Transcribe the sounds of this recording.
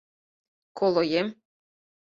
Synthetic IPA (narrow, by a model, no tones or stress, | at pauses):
kolˠojem